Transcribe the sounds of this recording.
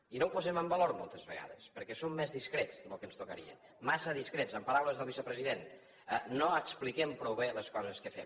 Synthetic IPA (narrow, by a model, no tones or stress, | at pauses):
inowpuzɛməmbəloɾmolˠt̪əzβəɣa̰ðəspəɾkɛsomːɛzðiskɾetzðəlukənst̪ukəɾḭə̰n | masəðiskɾetsəmpəɾawləzðəlˠβisəpɾəziðen | ənoəksplikɛmpɾoβeləskɔzəskəfɛ̰m